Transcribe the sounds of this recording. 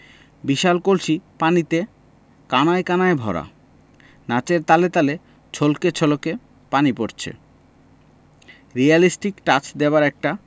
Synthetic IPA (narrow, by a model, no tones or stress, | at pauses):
biʃalkolʃʰipanit̪e | kanaekanaebʱɔ̰ɾa̰ | nat͡ɕeɾt̪alet̪ale | t͡ɕʰolket͡ɕʰoloke | panipoɾt͡ɕʰḛ | ɾialisʈikʈat͡ɕʰd̪eoaɾɛk̚ʈa